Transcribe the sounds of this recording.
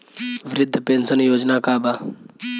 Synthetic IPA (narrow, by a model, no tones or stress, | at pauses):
ʋɾɪd̪ʱːpensənjoːd͡ʒnakaːba